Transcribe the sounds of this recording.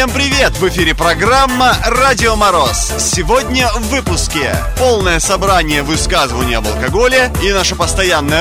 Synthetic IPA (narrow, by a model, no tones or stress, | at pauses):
empɾʲɪvʲe̞t̪vɨfʲiɾʲɪpɾɐɡramːəradʲɪomɐɾo̞s | sʲɪvodʲnʲəvvːɨpʊskʲɪpolˠnəjəsɐbɾanʲɪjəvɨskazɨvənʲɪjəɐbəlˠkɐɡo̞lʲɪinaʂəpəst̪ɐjanːəjə